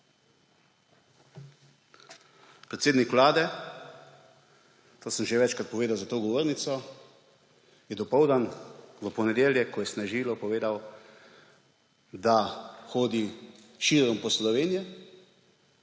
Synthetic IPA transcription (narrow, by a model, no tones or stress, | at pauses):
pɾɛt̪seːd̪nikʋlaːd̪ɛ | t̪oːsəmʒɛʋɛt͡ʃkɾat̪̚pɔʋeːd̪awzat̪oːɡɔʋoːɾnit̪sɔ | jɛd̪ɔpɔwd̪anʋəpɔnɛd̪eːljɛkʰːɔjɛsnɛʒiːlɔpɔʋeːd̪aw | d̪axoːd̪i | ʃiːɾɔmpɔslɔʋeːnijɛ